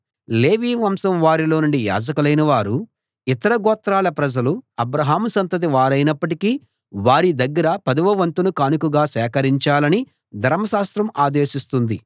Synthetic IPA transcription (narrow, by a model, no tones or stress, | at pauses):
le̞ːʋiːʋɐmsɐmʋaːɾilo̞ːnuɳɖija̰ːd͡ʒɐkulɐjnɐʋaːɾu | it̪ɐɾɐɡɔːt̪ɾaːlɐpɾɐd͡ʒɐluɐbɾɐɦaːmusɐnt̪ɐt̪̬iʋaːɾɐjnɐpːɐʈiki | ʋaːɾid̪ɐɡːɐɾɐpɐd̪ɐʋɐʋɐnt̪unukaːnukuɡaːsɛːkɐɾiɲt͡ʃaːlɐni | d̪ʱɐɾmɐʃaːst̪ɾɐmaːd̪e̞ːʃist̪und̪i